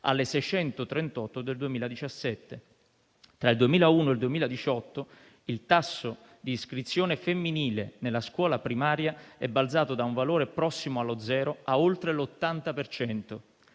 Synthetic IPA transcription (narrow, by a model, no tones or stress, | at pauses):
a̰lːesɛjt͡ʃɛnt̪ot̪ɾent̪ɔt̪ːod̪eld̪uemiːlad̪it͡ʃasːɛt̪ːe | t̪ɾaild̪uemiːlauːnoeld̪uemiːlad̪it͡ʃɔt̪ːo | ilt̪asːo | d̪iːskɾit̪sːjoːnefemːiniːlenelːaskwɔːlapɾimaːɾjaɛbːald̪zaːt̪od̪auɱvaloːɾepɾɔsːimoalod̪zɛːɾoaolt̪ɾelot̪ːant̪apert͡ʃɛnt̪o